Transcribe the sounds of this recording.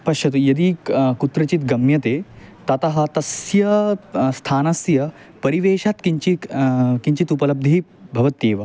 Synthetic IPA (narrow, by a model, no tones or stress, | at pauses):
pɐʃjɐt̪ujɐd̪ikut̪ɾɐt͡ʃit̪ɡɐmjɐt̪eːt̪ɐt̪ɐɦɐt̪ɐsjɐst̪ʰaːnɐsjɐ | pɐɾiʋeːʃat̪kiɲt͡ʃikiɲt͡ʃit̪upɐlɐb̚d̪ʱibʱɐʋɐt̪eːʋɐ